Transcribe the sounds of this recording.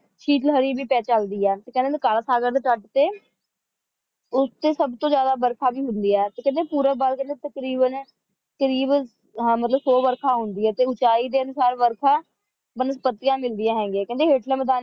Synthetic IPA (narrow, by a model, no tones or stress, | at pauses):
t͡ʃʰiːʈlɦəɾiːbʱiːpɛːt͡ʃəld̪iːɛːt̪eːkɛ̃nd̪ekalsaːɡəɾd̪eːʈəʈt̪eː | ʊst̪eːsəbt̪õːzjaːd̪aːbəɾkʰaːbiːɦʊnd̪iːɛːt̪eːkɛ̃nd̪eːpuːɾəbəlkɛ̃nd̪eːt̪əkɾiːbən | kəɾiːb | mət̪ləbsoːbəɾkʰaːɦʊnd̪iːɛːt̪eːʊt͡ʃaːiːd̪eːənʊsaːɾʋəɾkʰaː | bənəspət̪ːɪjãːmɪld̪ɪjãːɦɛ̃ːŋɡeːkɛ̃nd̪eːɦeːʈləməd̪aː